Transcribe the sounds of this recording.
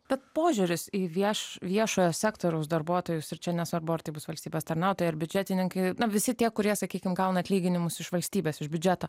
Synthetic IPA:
b̥ʲɛt̪̚poːʒʲʊɾʲɪsiːʋʲiɛʃʋʲiɛʃoːjoːsʲæːkt̪oːɾʲɛʊsd̪ɐɾbuɔt̪oːjʊsɪɾt͡ʃʲɛnʲɛsʋɐɾbʊɐrt̪ɐɪbʊsʋɐlʲsʲt̪ʲiːbʲɛːst̪ɐɾnɑʊt̪oːjɪɐɾbʲʊd͡ʒʲæːt̪ʲɪnʲɪŋkɐɪnɐʋʲɪsʲɪt̪ʲiɛkʊɾʲiɛsɐkʲiːkʲɪmɡɐʊnɐɐt̪ʲlʲiːɡʲɪnʲɪmʊsɪʃʋɐlʲsʲt̪ʲiːbʲeːsɪʒbʲʊd͡ʒʲæːt̪oː

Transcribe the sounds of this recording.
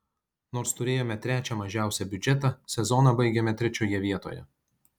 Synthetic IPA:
noːɾst̪ʊɾʲeːjoːmʲɛt̪ʲɾʲæːt͡ʃʲɛmɐʒʲæˑʊsʲɛbʲʊd͡ʒʲɛt̪ɑsʲɛzɔnɑbɐɪɡʲɛmʲɛt̪ʲɾʲɛt͡ʃʲoːjɛʋʲiɛt̪o̰ːjɛ̰

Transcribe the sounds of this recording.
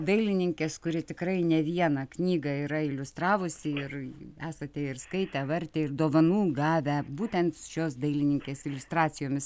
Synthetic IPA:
d̪ɐɪlʲɪnʲɪŋʲkʲeːskʊɾʲɪt̪ʲɪkɾɐɪnʲɛʋʲiɛnɑknʲiːɡɑiɾɐɪlʲʊst̪rɑːʋʊsʲɪɪræːsɐt̪ʲɛɪrskɐɪt̪ʲɛʋɐɾʲt̪ʲeːɪrd̪oːʋɐnuːɡɑːʋʲɛbuːt̪ʲɛnt̪ʃʲoːsd̪ɐɪlʲɪnʲɪŋʲkʲeːsɪlʲʊst̪ɾɑːt̪sʲɪjoːmʲɪs

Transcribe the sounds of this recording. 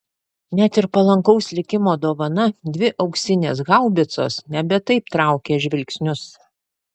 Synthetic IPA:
nʲɛt̪ɪɾpɐlˠɐŋkɐʊslʲɪkʲɪmoːd̪oːʋɐnɐd̪ʲʋʲɪʔɒʊksʲɪnʲeːsɡɑˑʊbʲɪt̪so̰ːsnʲɛbʲɛt̪ɐɪp̚t̪ɾɑˑʊkʲeːʒʲʋʲɪlʲksʲnʲʊs

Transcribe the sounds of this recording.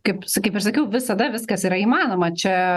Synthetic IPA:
kɐɪpskɐɪpɪʃsɐkʲɛʊʋʲɪsɐd̪ɐʋʲɪskɐsiːɾɐiːmɑːnoːmɐt͡ʃʲɛ

